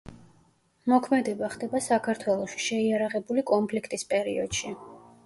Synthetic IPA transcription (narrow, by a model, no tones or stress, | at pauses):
mɔkʰmɛd̪ɛbaχd̪ɛbasakʰaɾt̪ʰwɛlˠɔʃi̥ʃɛiaɾaʁɛbulikʼɔnpʰlikʰt̪ʼispʼɛɾḭɔ̰d̪̥ʃi